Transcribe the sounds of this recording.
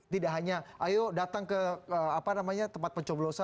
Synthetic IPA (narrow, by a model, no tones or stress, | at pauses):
t̪idaʔɦaɲaʔajodat̪aŋkəəapanamaɲat̪əmpat̪̚pəɲt͡ʃɔblosa